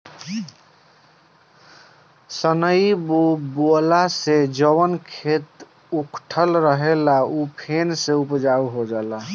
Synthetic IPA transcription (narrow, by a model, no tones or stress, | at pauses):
sənəibobolased͡ʒəwənkʰet̪ | ukʰʈʰəlɾəɦelaupʰenseupd͡ʒauɦod͡ʒala